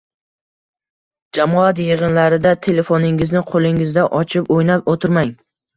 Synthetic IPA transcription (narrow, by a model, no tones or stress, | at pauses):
d͡ʒamɒat̪jeʁɨnlaɾɪd̪at̪ʰe̞le̞fonɪŋɪznɪqʰolˠɪŋɪzd̪aʔɒt͡ʃʰɪpojnap̚ot̪ʰɪɾmaŋ